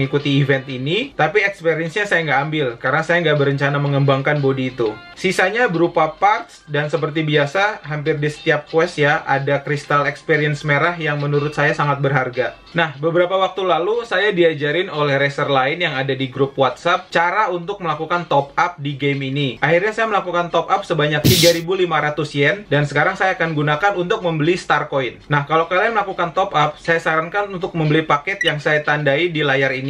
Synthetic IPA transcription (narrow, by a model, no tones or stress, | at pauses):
ŋikut̪iːvɛnt̪init̪apiɛkspeɾiɛnsɲasajaŋɡaʔambɪlkaɾənasajaŋɡaʔbərɾəɲt͡ʃanaməŋəmbaŋkanbodiːt̪u | sisaɲabəɾupapart̪sdansəpərt̪ibiasaɦampɪrdisə̥t̪iap̚kwɛsjaʔadakɾist̪alɛkspiɾiənsmeɾahjaŋmənuɾʊt̪̚sajasaŋat̪̚bərɦarɡa | nahbəbəɾapawak̚t̪ulalusajadiad͡ʒaɾɪnolɛhɾɛsərlaɪnjaŋadadiɡɾup̚wat̪sap̚t͡ʃaɾaunt̪ʊk̚məlakukant̪ɔpap̚diɡeminiʔahirɲasajaməlakukant̪ɔp̚ap̚səbaɲak̚t̪iɡaɾibulimaɾat̪usjɛndansəkaɾaŋsajaːkanɡunakanunt̪ʊk̚məmbəlist̪arkoinnahkalokalaaməlakukant̪ɔpap̚sajasaɾankanunt̪ʊk̚məmbəlipakɛt̪jaŋsajat̪andaidilajarini